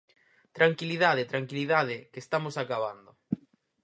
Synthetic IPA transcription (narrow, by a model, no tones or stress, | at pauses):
t̪ɾaŋkiliðaðet̪ɾaŋkiliðað̞ɪkest̪amosakaβand̪ʊ